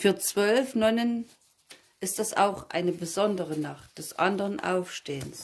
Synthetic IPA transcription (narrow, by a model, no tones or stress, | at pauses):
fyːɐt͡sv̥œlfnɔnən | ʔɪst̚d̥asa̰ʊχʔa̰ɪnəbəzɔndəʁənaχt̚d̥ɛsʔa̰ndəʁənʔa̰ʊfʃteːəns